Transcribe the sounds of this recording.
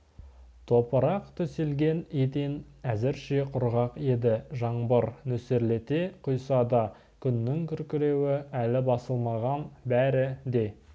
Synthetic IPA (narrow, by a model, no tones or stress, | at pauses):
t̪ʰo̞pəɾɑqt̪ʰʏselɡʲe̞net̪enæzɪɾʃe̞qʰʊɾʁɑqe̞d̪ɪʒɑɴbəɾnɵseɾle̞t̪e̞qʰʊjsɑd̪ɑ | kʲʰʏnːɪŋkʲʰʏɾkʲɪɾe̞wɪælɪbɑsəlˠmɑʁɑnbæɾɪd̪e̞